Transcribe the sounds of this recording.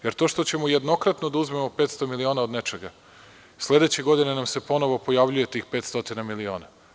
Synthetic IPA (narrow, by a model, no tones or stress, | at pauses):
jeɾt̪o̞ːʃt̪o̞t͡ɕe̞mojed̪no̞kɾat̪no̞d̪auzme̞mope̞ːt̪st̪o̞milio̞ːnaod̪ne̞t͡ʃe̞ɡa | sle̞d̪e̞t͡ɕe̞ɡo̞d̪inenamse̞po̞no̞ʋo̞po̞jaʋʎuje̞t̪ixpe̞ːt̪st̪o̞t̪inamilio̞ːna